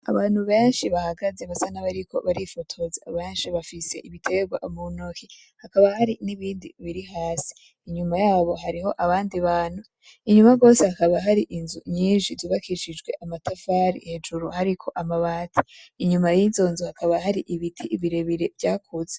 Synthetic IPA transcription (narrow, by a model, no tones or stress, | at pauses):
a̰βaːn̥huβe̞ːnʃiβahaɡaze̞βasanaβaɾikʰo̞̰βaɾifotʰo̞zaβeːnʃiβafise̞ʔiβitʰe̞ɡwaʔomunoki | hakaβahaɾiniβiːndiβiɾiɦaːsi̥ː | ɲumajaːβo̞ɦaɾiho̞ʔaβaːndiβaːn̥hu | iɲumaɡo̞ːse̞hakaβaɦaɾiʔinzuɲiːnʃizuβakiʃid͡ʒɡwe̞ʔamatʰafaɾḭhe̞d͡ʒuɾuhaɾikʰo̞ʔamaβaːtʰi̥ːɲumajiːzo̞ːnzuhakʰaβaɦaɾiʔiβitʰiiβiɾe̞βiɾe̞vjaːkʰuze